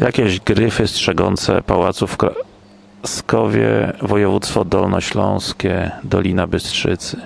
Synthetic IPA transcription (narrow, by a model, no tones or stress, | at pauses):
jʔakʲɛʑɡɾɘfɘstʂɛɡɔnt̪sɛ̰pawat̪sufkɾa | skɔvʲjɛ̰vɔjɛvut̪st̪fɔd̪ɔlnɔɕlɔ̃w̃skʲɛd̪ɔlʲinabɘstʂɘt̪sɘ